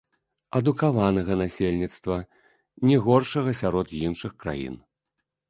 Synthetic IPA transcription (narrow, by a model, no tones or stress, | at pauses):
ɐd̪ukavanɐɣɐnasʲelʲnʲit̪st̪vɐ | nʲɛɣɔrʂɐɣɐsʲaɾɔd̪jinʂɨxkɾa̰jḭn